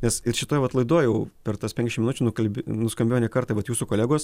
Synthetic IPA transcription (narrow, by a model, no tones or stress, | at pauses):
nʲɛsɪɾʃʲɪt̪oːjɛʋɐt̪lˠɐɪd̪oːjɛʊpʲɛrt̪ɐspʲɛ̃ŋʲkʲɛʃʲmʲɪnʊt͡ʃʲʊnʊkɐlʲbʲnʊskɐmʲbeːjonʲɛkɐrt̪ɑʋɐt̪juːsukoːlʲæːɡoːs